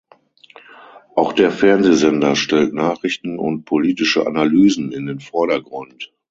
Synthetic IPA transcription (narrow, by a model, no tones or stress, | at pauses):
ʔaʊxd̥eːɐfɛɐnzeːzɛndɐʃtɛltnaːχʁ̥ɪçtn̩ʊ̰nt̚pʰoliːtɪʃə̰ʔa̰nalyːzn̩ɪndeːnfɔɐɾɐɡʁʊnt